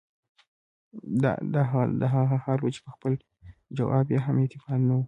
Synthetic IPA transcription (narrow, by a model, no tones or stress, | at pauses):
d̪̰d̪aɦɑd̪aɦaɣahɑlwat͡ʃe̥pəxpəl | d͡ʒawɑbjɑɦamet̪ɪfɑnnawu